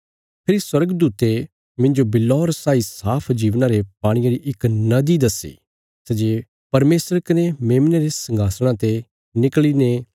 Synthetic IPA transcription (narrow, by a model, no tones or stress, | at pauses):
pʰɪɾiswɐɾəɡd̪uːt̪e | mɪ̃nd͡ʒobɪlːɔːɾɐsaːisaːpʰd͡ʒiːʋnaɾepaːɽ̃ĩjaɾiʔɪknɐd̪id̪ɐsḭː | sɛd͡ʒeː | pɐɾmeːsəɾkɐnemeːmneɾesɐ̃ŋɡʱaːsɽ̃ãt̪e | nɪkɭinẽ